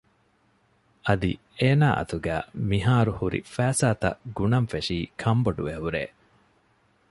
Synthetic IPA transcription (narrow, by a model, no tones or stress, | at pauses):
ʔɐd̪ḭ | eːnaːʔɐ̰t̪uɡæːmiɦaːɾuhuɾḭfæːsaːt̪ɐ̰ɡunɐmfeʂiːkʰɐmbɐɖuʋeɦuɾḛː